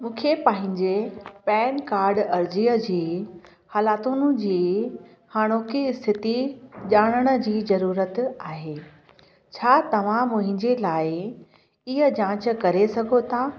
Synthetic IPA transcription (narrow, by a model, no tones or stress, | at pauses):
mũːkʰepãːɦɪ̃ɲd͡ʑepɛːnkaːɾɖɐɾd͡ʑiːəd͡ʑiː | haːlaːt̪unʊ̆d͡ʑiː | haːɽ̃oːkiɪst̪ʰɪt̪iʄaːɽ̃əɽ̃ə̆d͡ʑiːzɐɾuːɾət̪aːɦeː | t͡ɕʰaːt̪ɐʋ̤ãmʊ̃ɦɪ̃ɲd͡ʑelaːɪ | ɪɦəd͡ʑãːt͡ɕ̆kɐɾesɐɡʱot̪ʰa